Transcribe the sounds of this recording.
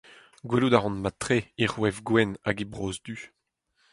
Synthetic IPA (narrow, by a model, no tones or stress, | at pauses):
ɡwɛludaʁɑ̃nmat̪ʁeiʁwɛvɡwɛnaɡibʁoːzd̪y